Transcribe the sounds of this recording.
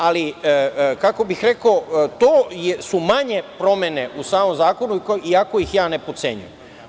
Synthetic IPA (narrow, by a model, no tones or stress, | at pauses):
ali | kako̞bixɾe̞kot̪oːjesumaɲe̞pɾo̞mjene̞ʔusaːmo̞mzaːko̞nuiiako̞ixjaːne̞po̞t̪se̞ːɲṵjem